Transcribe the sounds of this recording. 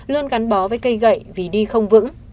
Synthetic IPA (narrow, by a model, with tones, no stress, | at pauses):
lɨ˧ənɣa˨˦nɓɔ˨˦vəː˨˦jkə˧jɣə̰˧˨jvi˨˩ɗi˧xə˧wŋ͡mvɨ̰˧˥ŋ